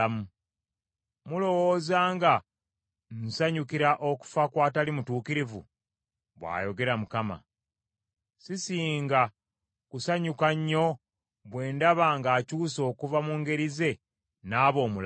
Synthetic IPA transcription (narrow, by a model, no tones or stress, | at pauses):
mu | mulo̞wo̞zaːŋɡa | n̩saɲukiɾaʔo̞ku̥fakwaːtalimutuːkiɾivṵ | βwa̰ːjo̞ɡe̞ɾamukama̰ | sisiːŋɡa | kusaɲukaɲːo̞ | βwe̞ːndaβaːŋɡaːcuːso̞ːkuvamuŋɡe̞ɾize̞ | naːβo̞ːmul